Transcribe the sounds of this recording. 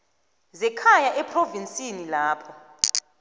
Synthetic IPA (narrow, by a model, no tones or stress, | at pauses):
zɛkʰajaʔɛpʰʼrovinsʼinilaːpʰɔ